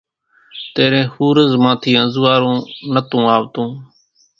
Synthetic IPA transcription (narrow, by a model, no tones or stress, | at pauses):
t̪eːɾẽːhuːɾəzmãːt̪ʰiːə̃zʋaːɾũːnət̪ũːaːʋt̪ũː